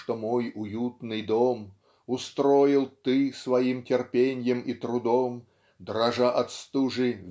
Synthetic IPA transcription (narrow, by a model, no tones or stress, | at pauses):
t̪omojʊjut̪nɨjd̪om | ʊst̪ɾojɪlˠt̪ɨsvɐimtʲɪrpʲenʲjəmit̪ɾʊd̪om | d̪ɾɐʐaʔɐt̪st̪uʐɨvʲ